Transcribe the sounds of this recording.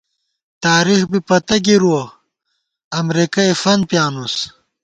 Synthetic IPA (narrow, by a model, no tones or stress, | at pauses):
t̪aːɾixbipɐt̪ɐɡiɾuɐ | ɐmɾikɐefɐn̚pjaːnus